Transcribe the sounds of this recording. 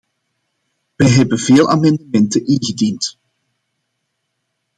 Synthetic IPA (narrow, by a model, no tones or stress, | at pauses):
ʋɛjɦɛbənveːlˠʔa̰ːmɛndəmɛntəʔɪnɣədint